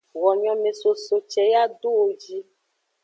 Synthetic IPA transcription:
wɔ˨ɲɔ̃˨mẽ˨so˨so˨t͡ʃɛ˨ja˦ɖo˦o˨d͡ʒi˦

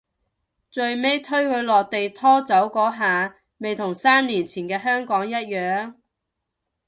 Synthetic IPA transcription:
t͡ʃɵ˧ɥme˥jt̪ʰɵ˥ɥkʰɵ˨˧ɥlɔː˨k̚t̪e˨jt̪ʰɔː˥t͡sɐ˨˥wkɔː˨˥ɦaː˨ | me˨jt̪ʰʊ˨˩ŋsaː˥mniː˨˩nt͡sʰiː˨˩nkɛː˧ɦœː˥ŋkɔː˨˥ŋjɐ˥t̚jœː˨˧ŋ

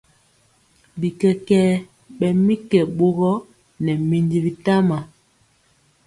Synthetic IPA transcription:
bi˨kɛ˨kɛ˦ | ɓɛ˨mi˦kɛ˨ɓo˦ɣɔ˦ | nɛ˨mi˨ndi˦˨bi˨ta˦ma˨

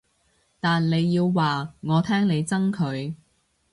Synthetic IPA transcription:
t̪aː˨nle˨˧jːiː˧wːaː˨ŋɔː˨˧t̪ʰɛː˥ŋne˨˧jt͡sɐ˥ŋkʰɵ˨˧ɥ

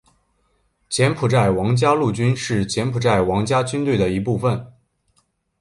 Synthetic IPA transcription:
t͡ɕjɛ˧˥npʰu˨˩ʈ͡ʂa˥˩ɪwɑ˧˥ŋt͡ɕja˥lu˥˩t͡ɕy˥nʂɻ̩˥˩t͡ɕjɛ˧˥npʰu˨˩ʈ͡ʂa˥˩ɪwɑ˧˥ŋt͡ɕja˥t͡ɕy˥nt̪we˥˩ɪd̪ə˩i˧˥pu˥˩fə˨˩n

